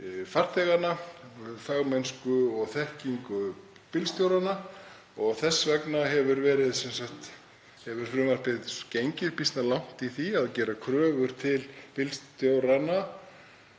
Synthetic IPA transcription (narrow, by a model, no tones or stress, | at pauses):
far̥t̪ʰɛɣanafaɣmɛnskʏɔɣθɛhciŋkʏ | pɪlst̪jowɾana | ɔɣθɛsːvɛknaɦɛvʏɾvɛːɾɪðsɛnsahxt̪ | hɛvʏɾ̥fɾʏːmar̥pɪðcejɲcɪɾ̥pist̪nalawŋ̥t̪iθiaðcɛːɾakʰɾœːɣʏɾ̥t̪ʰɪlpɪlst̪jowɾana